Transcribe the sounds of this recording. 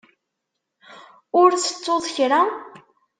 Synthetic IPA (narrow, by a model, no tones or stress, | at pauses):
ʊɾt͡sːə̥t͡sːoðˤçɾa